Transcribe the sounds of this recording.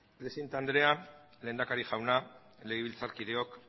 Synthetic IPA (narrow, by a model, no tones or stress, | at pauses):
pɾesint̪and̪ɾe̞a | le̞ːnd̪akaɾiʝawna | leɣiβ̞ilt͡saɾkiðe̞o̞k